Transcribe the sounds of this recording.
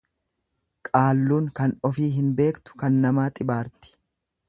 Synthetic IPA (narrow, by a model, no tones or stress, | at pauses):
kʼaːlːuːŋkɐnɔfiːɦɪnbe̞ːkt̪ʊ̥kɐnːɐmaːt̪ʼɪbaːɾt̪ɪ̥